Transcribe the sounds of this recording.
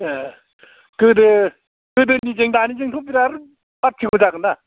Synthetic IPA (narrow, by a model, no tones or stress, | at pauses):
kɯdɯ | kɯdɯnizeŋdanid͡ʒeŋtʰɔpiɾaɾɯ | bat̚kʰiɡɔd͡ʒaɡɯna